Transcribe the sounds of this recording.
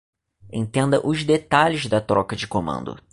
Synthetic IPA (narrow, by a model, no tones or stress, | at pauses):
ḛ̃t̪ẽnd̪ɐʔʊzd̪et̪aʎɪzd̪ɐt̪ɾɔkɐd͡ʒɪkomɐ̰̃nd̪ʊ̰